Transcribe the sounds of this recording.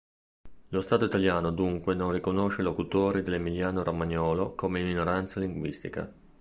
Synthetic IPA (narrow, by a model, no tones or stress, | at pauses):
lost̪aːt̪oit̪aljaːnod̪uŋkwenonrikonoʃelokut̪oːɾid̪elemiljaːnoɾʔomaɲɔːlokomeiminoɾant̪saliŋɡwist̪ika̰